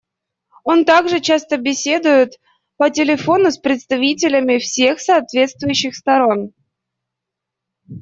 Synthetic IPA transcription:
o̞nt̪aɡʐɨt͡ɕast̪əbʲɪsʲe̞d̪ʊjʊt̪ | pətʲɪlʲɪfo̞nʊspɾʲɪt̪st̪ɐvʲitʲɪlʲəmʲɪfsʲe̞xsɐːt̪vʲe̞t̪st̪vʊjʉɕːɪxst̪ɐɾo̞n

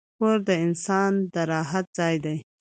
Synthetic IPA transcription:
koɾd̪əɪnsɑnd̪aɾɑɦat̪̚z̥ɑjd̪aj

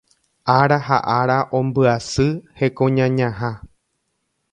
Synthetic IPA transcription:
aɾaɦa̰ʔaɾaʔõ̞mbɨasɨhe̞kõɲãɲãɦã

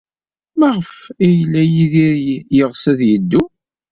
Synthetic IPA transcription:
mæʁəfæjlːæjiðiɾjəʁsæðjəd̪ːu

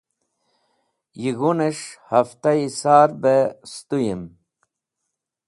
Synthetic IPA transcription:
jiɣuneʂhaft̪aisaːɾbest̪ujim

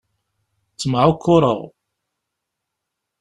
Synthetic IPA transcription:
t͡sːəmʕʊkʰːʊɾˤə̰ʁ

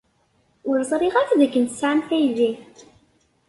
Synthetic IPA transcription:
ʊɾzˤɾˤiʁæt͡sðækːənt̪ə̥sʕamθæjði

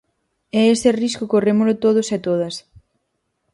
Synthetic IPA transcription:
ɛest̪eriskokoremolʊt̪oð̞oset̪oð̞ɐs

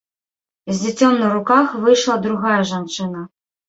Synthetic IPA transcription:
zʲd͡zʲit͡sʲɔmnɐɾukaxvɨjʂlˠɐd̪ɾuɣajɐʐant͡ʂɨnɐ

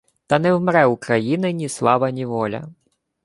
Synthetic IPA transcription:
t̪ɐnɛwmɾɛukɾɐjinɪnʲislˠɑʋɐnʲiʋɔlʲɐ̰

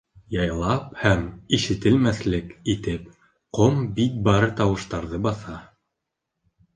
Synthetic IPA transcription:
jɑjlˠɑp̚hæmiʃɘ̆t̪ɘlmæθlɘkit̪ɘp | qombik̚bɑɾɤt̪ɑwɤ̆ʃt̪ɑɾðɤbɑθɑ

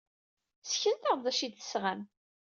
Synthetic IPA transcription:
sçənt̪aʁðæʃid̪θə̥sʁæn

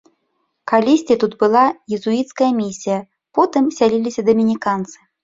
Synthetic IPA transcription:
kalʲisʲtʲit̪ut̪bɨlˠajɪzuit̪skɐjɐmʲisʲijɐ | pɔt̪ɨmsʲalʲilʲisʲɐd̪ɐmʲinʲikant̪sɨ̥

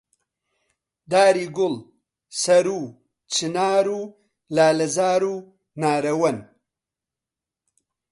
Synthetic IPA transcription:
d̪aːɾiɡʊl | sɐɾu | t͡ʃinaːɾu | laːlɐzaːɾu | naːɾɐwɐn

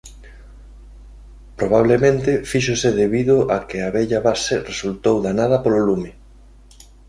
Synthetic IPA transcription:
pɾoβ̞aβ̞lemẽnt̪ɪfiʃosɪðeβiðoʔakeaβɛʎaβasɪresult̪owðanað̞ɐpololumɪ

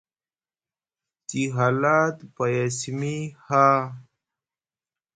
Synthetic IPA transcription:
t͡ɕiɦalaːt̪pajasmiha

